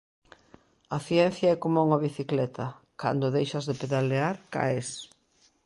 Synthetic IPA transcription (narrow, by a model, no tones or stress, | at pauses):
ɐθjɛn̟θjaɛkomouŋaβiθiklɛt̪ʰɐ | ka̰nd̪oðejʃɐzðepeðaleaɾka̰es